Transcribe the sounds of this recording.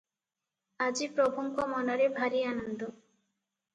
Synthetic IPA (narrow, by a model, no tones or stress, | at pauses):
ad͡ʑipɾobʱoŋkomɔnɔɾebʱaɾianɔnd̪o